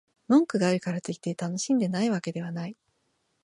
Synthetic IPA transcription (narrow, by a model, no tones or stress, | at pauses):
mõ̞ŋkɯ̟ɡaːɾɯ̟kaɾat̪e̞kʲi̥t̪e̞t̪ano̞ɕĩnd̪e̞naiβ̞ake̞d̪e̞β̞anai